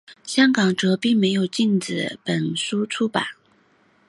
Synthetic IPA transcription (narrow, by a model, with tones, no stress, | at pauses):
ɕjɑ˥ŋkɑ˨˩ŋʈ͡ʂɤ˧˥pi˥˩ŋme˧˥ɪjo˨˩ʊt͡ɕi˥˩nt͡sɹ̩˨˩pə˨˩nsu˥t͡sʰu˥pa̰˨˩˦n